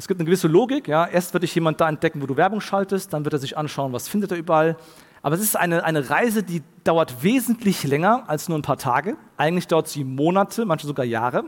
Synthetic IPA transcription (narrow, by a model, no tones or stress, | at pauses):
ʔɛsɡ̥iːptnəɡəvɪsəloːɡɪkjaːʔeːɐstv̥ɪɐtɪçjeːmant̚d̥aːɛnt̚d̥ɛkŋ̩voːduːvɛɐbʊŋʃaltəst̚d̥anvɪɐteːzɪçʔanʃaʊənvasfɪndəteːɐyːbɐʔal | ʔaːbɐɛsɪstʔa̰ɪnəʔaɪnəʁaɪzədiːd̥aʊɐtv̥eːzn̩tʰlɪçlɛŋɐʔalsnuːɐanpʰaːɐtʰaːɡə | ʔaɪɡŋ̩tlɪçd̥aʊɐtz̥iːmoːnatʰəmançmazoɡaːja̰ːʁə